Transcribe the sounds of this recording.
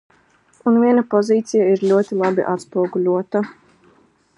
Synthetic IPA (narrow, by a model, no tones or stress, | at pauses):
unvʲiɛnapɔziːt̪sijaiɾlʲuɔt̪ʲilˠabḭʔat̪spuɔɡulʲuɔt̪a